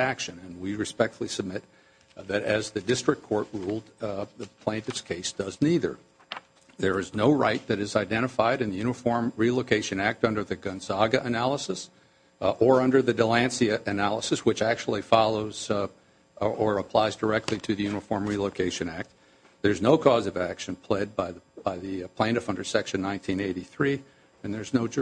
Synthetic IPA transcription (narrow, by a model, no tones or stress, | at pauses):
ækʃɨ̃nɨ̃nwiɹɨspɛk̚tfl̩ˠisɨb̚mɪt̪̚ | ðɨɾɨzðɨdɪstɹ̥ɨkʰɔɹt̚ɹulˠd̪̚ðəpʰl̥æ̃ntɨtskʰeɪsd̥ʌzniðə̰˞ | ðə˞ɨznoʊɹaɪt̪̚ðɨɾɨzaɪdɛ̃ɾ̃ɨfaɪɾɨ̃nðɨjʉnɨfɔɹmɹiloʊkʰeɪʃɨ̃næk̚tʌ̃ndə˞ðɨɡɨ̃nzɑɡɨʔɨnælˠəsɨs | ə˞ʌ̃ndə˞ðɨdəlæ̃nsiɨʔɨnælˠəsɨswɨt͡ʃæk̚t͡ʃul̩ˠifɑlˠoʊz̥ | ʔə˞əpʰl̥aɪzdə˞ɛk̚tʰˡliɾɨðɨjʉnəfɔɹmɹiloʊkʰeɪʃɨ̃næk̚t̪̚ | ðə˞znoʊkʰɔzʌvækʃɨ̃npʰl̥ɛd̚baɪðb̥aɪðɨpʰl̥ẽɪ̃ndʌfʌ̃ndə˞sɛkʃɨ̃nːãɪ̃ntʰĩneɪɾiθɹi | ɨ̃nðə˞znoʊ